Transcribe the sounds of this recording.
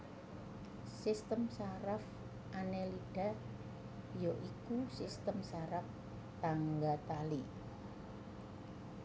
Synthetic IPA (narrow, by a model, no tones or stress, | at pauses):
sist̪əmsaɾaf | ʔaneliɖ̥a̤ | joʔikusist̪əmsaɾaf | t̪aŋɡat̪ali